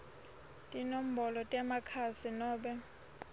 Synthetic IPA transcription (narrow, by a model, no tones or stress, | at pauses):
tʼinom̩bɔlɔtʼɛmakʰasinɔːɓɛ